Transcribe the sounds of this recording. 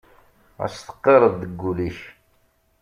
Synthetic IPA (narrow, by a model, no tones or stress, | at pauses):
æ̰st̪ə̥qːeɾˤəðːəɡːuliç